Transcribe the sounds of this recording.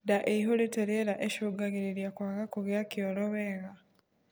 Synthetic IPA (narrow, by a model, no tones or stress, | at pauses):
daʔeiɦoleteɾeɾaʔeʃuɡaɣiɾiɾjakwaːɣakuɣjakioloβeːɣa